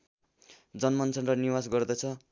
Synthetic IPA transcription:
d͡zʌnmʌnt͡sʰʌnrʌniwasɡʌrd̪ʌt͡sʰʌ

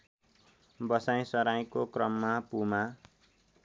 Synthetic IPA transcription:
bʌsaj̃sʌɾaj̃kokrʌmːapuma

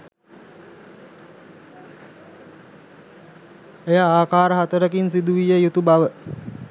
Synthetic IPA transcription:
ejaaːkaːɾəɦat̪əɾəkinsid̪uʋijəjut̪ubaʋə

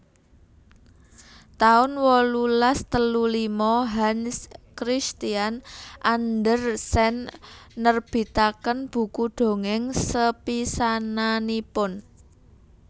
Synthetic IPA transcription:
t̪aʊnwɔlulast̪əlulimɔɦanskɾist̪ianʔand̪ərsɛnːərb̥i̤t̪akənb̥ṳkuɖ̪̥o̤ŋɪŋsəpisananipʊn

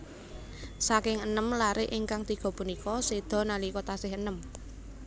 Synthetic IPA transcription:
sakɪŋənəmlaɾɪʔɪŋkaŋt̪iɡ̥ɔ̤punikɔsed̪̥ɔ̤nalikɔt̪asɪɦənəm

